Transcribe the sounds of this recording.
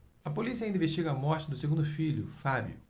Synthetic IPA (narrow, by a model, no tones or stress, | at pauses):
ɐpolisiɐĩd̪ĩveʃt͡ʃiɡɐɐmɔɾt͡ʃɪd̪ʊseɡũd̪ʊfiʎʊ̰fabj̰ʊ̰